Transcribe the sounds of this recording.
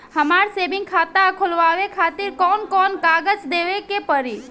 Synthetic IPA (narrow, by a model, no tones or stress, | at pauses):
həmaɾsebɪ̃ŋkʰaːt̪aəkʰulʋaʋekʰat̪iɾkɔːnkɔːnkaɡəd͡ʒd̪eʋekepəɾi